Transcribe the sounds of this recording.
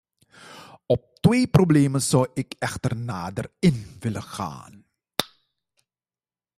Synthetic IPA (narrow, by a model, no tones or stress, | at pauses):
ɔp̚tʋeːprobleːmənzɔwɪkɛxtərnaːdərɪnʋɪləxa̰ːn